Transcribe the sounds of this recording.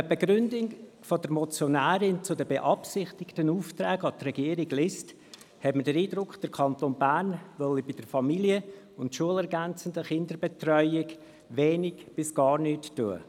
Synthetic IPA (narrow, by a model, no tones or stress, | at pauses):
əbeɡɾʏndɪŋ | fɔdəɾmɔt͡sjɔnæːɾɪnt͡sʊdəbeʔɑpsɪχtɪktənuːft̪ɾæːɡɑtrɛɡiəɾɪɡlɪst | hɛtmədəɾiːdɾʊkχd̥əɾkʰɑntoːnbæːɾnʋɔlibɪd̥əɾfɑmiliə | ʊntʃuəlɛɾɡænt͡səndəχɪndəɾbet̪rœʏɪɡ | ʋɛːnɪɡ̥b̥ɪsɡ̥ɑːɾnyːtːuə̰